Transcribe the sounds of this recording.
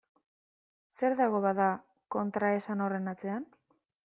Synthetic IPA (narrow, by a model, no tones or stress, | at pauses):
se̞ɾðaɣo̞βaða | ko̞nt̪ɾae̞sanore̞nat͡se̞an